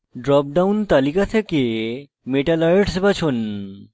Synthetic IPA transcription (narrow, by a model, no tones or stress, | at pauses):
ɖɾɔp̚ɖawnt̪alikat̪ʰeke | meʈalajʈsbat͡ɕʰon